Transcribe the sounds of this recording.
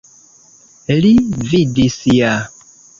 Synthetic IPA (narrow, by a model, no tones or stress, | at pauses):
lividisija